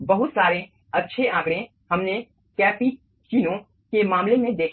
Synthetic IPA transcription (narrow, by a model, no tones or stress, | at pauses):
bɐɦʊt̪saːɾẽ | ɐtːʃʰeʔãːkɽẽ | hɐmne | kɛːpi | t͡ʃiːnõ | kemãːmlemẽd̪eːkʰ